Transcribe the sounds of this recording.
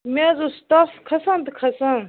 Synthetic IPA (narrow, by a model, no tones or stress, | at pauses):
mezust̪aːfkʰɐsɐnt̪ɨkʰɐsɐn